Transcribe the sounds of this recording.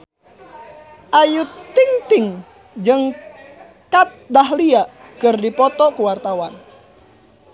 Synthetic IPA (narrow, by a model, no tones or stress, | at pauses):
ʔajut̪iŋt̪ɪŋ | d͡ʒəŋ | kat̪̚daɦliaʔ | kərdipɔt̪ɔkuwart̪awan